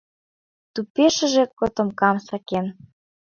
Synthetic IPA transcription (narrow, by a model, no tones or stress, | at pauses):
t̪upeʃə̆ʒekot̪ŏmkɑmsɑken